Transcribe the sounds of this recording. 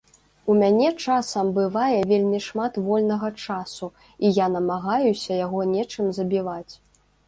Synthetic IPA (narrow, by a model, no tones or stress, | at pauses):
umʲanʲɛt͡ʂasɐmbɨvajɛvʲelʲmʲiʂmat̪vɔlʲnɐɣɐt͡ʂasu | ijanɐmaɣajusʲɐjaɣɔnʲɛt͡ʂɨmzɐbʲivat͡sʲ